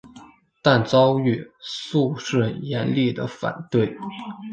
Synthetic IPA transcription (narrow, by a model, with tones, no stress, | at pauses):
t̪a˥˩nt͡sɑ˥ʊy˥˩su˥˧ʂɻə˥˩jɛ˧˥nli˥˩d̪ə̰˩fa̰˨˩nt̪we˥˩ɪ